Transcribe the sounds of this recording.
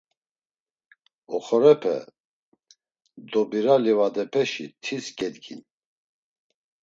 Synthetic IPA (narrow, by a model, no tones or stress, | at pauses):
ɔχɔɾɛpʰɛ̰ | d̪ɔbiɾalivad̪ɛpʰɛʃit̪ʰisɡɛd̪ɡin